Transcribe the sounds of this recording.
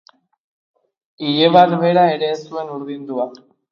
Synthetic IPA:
iʎeβaɾβe̞ɾae̞ɾe̞ːsue̞nuɾðind̪ua

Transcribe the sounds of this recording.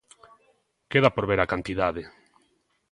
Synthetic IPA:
keðapoɾβeɾakant̪iðaðe

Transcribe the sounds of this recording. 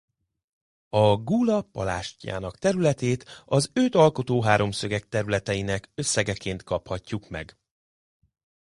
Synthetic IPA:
ɒɡuːlɒpɒ̰la̰ːʃca̰ːnɒkt̪ɛɾylɛt̪eːt̪ɒzøt̪ɒlko̞t̪oːɦaːɾo̞msø̞ɡɛk̚t̪ɛɾylɛt̪ɛjinɛkø̞sːɛɡɛkeːnt̪kɒphɒcːukmɛ̰ɡ

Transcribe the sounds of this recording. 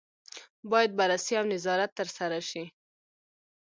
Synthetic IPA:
bɑjad̪̚baɾasiawnɪzɑɾat̪ːəɾsaɾaʃi

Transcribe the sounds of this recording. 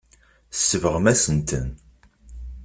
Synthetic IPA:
sːəvəʁəmæsənt̪ə̰n

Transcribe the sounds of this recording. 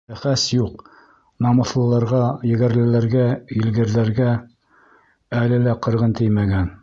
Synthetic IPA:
æχæsjuq | nɑmɤ̆θlˠɤ̆lˠɑɾʁɑjɘ̆ɡæɾlɘ̆læɾɡæilɡɘ̆ɾðæɾɡæ | ælɘlæqɤ̆ɾʁɤnt̪ɘjmæɡæn

